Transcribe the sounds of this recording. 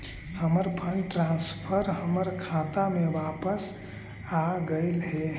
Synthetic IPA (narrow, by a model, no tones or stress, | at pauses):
həməɾpʰəlʈɾãːnspʰəɾɦəməɾkʰaːt̪amẽʋaːpəs | aɡəɪlɦɛ